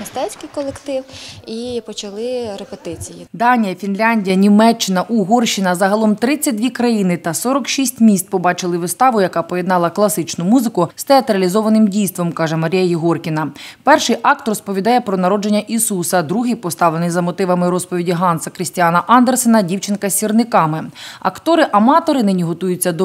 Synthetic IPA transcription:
mest̪ɛt͡sʲkɪjkɔlˠekt̪ɪwipɔt͡ʃɐlˠɪɾepet̪ɪt͡sʲijid̪ɑnʲijɐfʲinlʲanʲdʲijɐnʲimɛt͡ʃːɪnɐʔuɦɔrʃɪnɐzɐɦɐlˠɔmt̪ɾɪt͡sʲːɐt̚ʲd̪ʲʋʲikɾɐjinɪt̪ɐsɔɾɔkʃisʲtʲmʲist̪̚pɔbɑt͡ʃɪlˠɪʋɪst̪ɑʋʊjɐkɑpɔjɛd̪nɑlˠɐklˠɐsɪt͡ʃnʊmuzɪkʊz̥t̪eɐt̪ɾɐlʲizɔʋɐnɪmdʲijst̪ʋɔmkɑʒɛmɐɾʲijɐjiɦɔrkʲinɐpɛrʃɪjʔɑk̚t̪rɔspɔʋʲid̪ɑjɛpɾɔnɐɾɔd͡ʒenʲːɐʔisusɐd̪ɾuɦɪjpɔst̪ɑʋlenɪjzɐmɔt̪ɪʋɐmɪɾɔspɔʋʲidʲiɦɑnsɐkɾɪsʲtʲijɑnɐʔɑnd̪ersenɐdʲiwt͡ʃɪnkɐsʲirnɪkɑmɪɐ̰kt̪ɔɾɪʔɐmɑt̪ɔɾɪnɪnʲiɦɔt̪ujʊt͡sʲːɐd̪ɔ

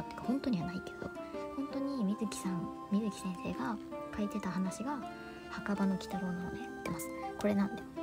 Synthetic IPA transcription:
t̪e̥kahõ̞nt̪o̞ɲ̟iβanaike̞d̪̥o̞̰ | hõnt̪o̞ɲ̟imʲizɨkʲi̥sãŋ | mʲizɨkʲi̥sẽ̞ɰ̃se̞ːɡakait̪e̞t̪aɦanaɕiɡa | hakabanokʲi̥t̪aɾo̞ːnanod̪ejt̪ːe̞masɨ̥ko̞ɾe̞nãnd̪e

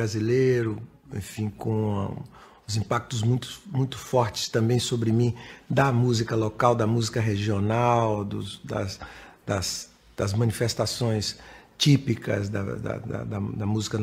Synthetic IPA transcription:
ɾazilejɾʊ | ḛ̃fĩkõ | ʊzĩpak̚t̪ʊzmũj̃t̪ʊ̥mũj̃t̪ʊ̥fɔɾt͡ʃɪ̥st̪ɐ̃mbẽj̃sobɾɪmĩd̪ɐmuzikɐlokawd̪ɐmuzikɐɦeʒionawd̪ʊsd̪ɐ̰sd̪ɐs | d̪̥ɐzmɐ̃nifest̪asõj̃st͡ʃipikɐ̰zd̪ɐ̰d̪ɐ̰d̪ɐ̰d̪ɐ̰d̪ɐmuzikɐn

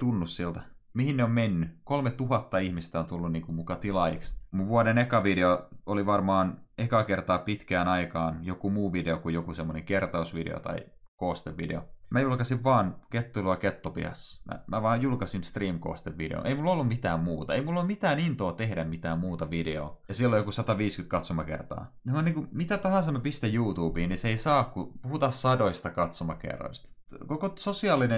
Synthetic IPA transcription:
t̪unːussilt̪æmihinneommenːykolmet̪uhɑt̪ːɑihmist̪æont̪ulːunniːŋkumukɑt̪ilɑjḭksmuʋʋuɑdenekɑʋideooliʋɑrmɑːnekɑkert̪ɑːpit̪kæːnɑikɑːnjokumuːʋideokujokusemːoneŋkert̪ousʋidḛo̰t̪ɑ̰ikoːst̪eʋidḛo̰mæjulkɑsiʋʋɑːnket̪ːoluɑket̪ːopḭhɑ̰sːmæ̰mæʋɑːjjulkɑsinst̪riːmko̰ːst̪eʋʋidḛo̰nʔeimulːolːummit̪æːmmuːt̪ɑeimulːomit̪æːnint̪oːt̪ehdæmmit̪æːmmuːt̪ɑʋideo̰jɑsielːojokusɑt̪ɑʋiːskyt̪̚kɑt̪somɑkḛrt̪ɑ̰ːnnoniːŋkumit̪æt̪ɑhɑ̃nsemːæpist̪æjjuːt̪uːpiːniseisɑːkkupuhut̪ɑssɑdoist̪ɑkɑt̪somɑkḛrːo̰ist̪ɑ̥ | kokososiɑlːine

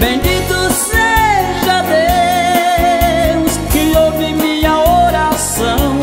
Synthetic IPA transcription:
bẽj̃d͡ʒ̪it̪ʊse | ʒave | ɾʊskɪovẽj̃mĩɲɐoɾasɐ̃w̃

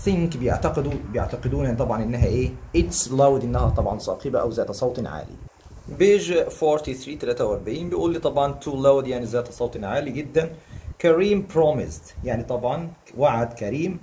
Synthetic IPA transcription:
θɪŋkbɪjaʕt̪aqɪd̪ubɪja̰ʕt̪aqɪd̪uːnʔant̪ˤɑbʕɑnʔɪnːaɦaʔeːʔɪt̪slawd̪ʔɪnːahat̪ˤɑbʕɑnsˤɑ̰ːqibaʔawzaːt̪sˤɑwt̪ˤnʕa̰ːlḭ | bɪʒfoːɾt̪iθɾiːt̪alaːt̪awʔaɾˤbaʕiːnbɪjʔuːlːiːt̪ˤɑbʕɑnt̪ʰuːlawd̪jaʕnizaːt̪sˤɑwt̪ˤnʕaːliɡɪd̪ːankaɾiːmpɾoːmɪ̰st̪jaʕnit̪ˤɑbʕɑn | waʕad̪kaɾiːm

